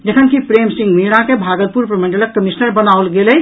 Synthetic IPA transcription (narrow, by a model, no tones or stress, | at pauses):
d͡ʒəkʰənkipɾeːmsĩŋɡmiɾãkebʱaːɡəl̚puɾpɾəmə̃ɳɖələkːəmisnəɾbənawlɡelɛ